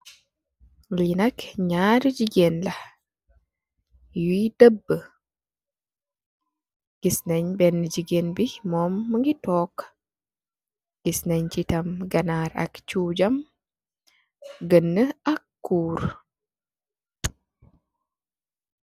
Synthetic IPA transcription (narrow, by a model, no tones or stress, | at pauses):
linɐkɲaːɾd͡ʒiɡenlɐh | judəbːə | ɡ̥isnɐɲbɛnːəd͡ʒiɡenbimɔːmːəŋɡitɔːk | ɡ̥isnɐɲt͡ʃitɐmɡɐnaɾɐ̰kt͡ʃuːd͡ʒɐm | ɡənːəɐkːuːɾ